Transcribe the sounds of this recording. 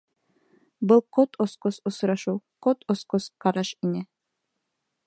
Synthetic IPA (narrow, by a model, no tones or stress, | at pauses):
bɤlˠqot̪ʰosqosŏsɾɑʃɤwqot̪osqosqɑɾɑʃinɘ